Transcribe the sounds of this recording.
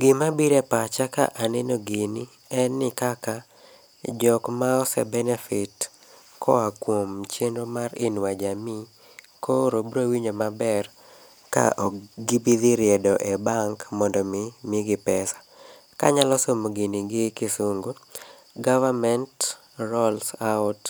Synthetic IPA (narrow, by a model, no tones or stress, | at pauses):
ɡɪmabiɾepat͡ʃaka̰ʔanɛnoɡeni | ɛnːɪkaka | d͡ʒɔkmaɔsɛ̰bɛnɛfɪt | kʰɔakwomt͡ʃjenɾomaɾɪnwad͡ʒami | koɾobɾowiɲomabɛr | ka̰ʔɔɡibiðiɾɪɛdɔʔɛbaŋkmɔndɔmɪmɪɡɪpɛsḁ | ka̰ɲalɔsomoɡeniɡɪkɪsuŋɡo | ɡavamɛnt | ɾɔlsaʊt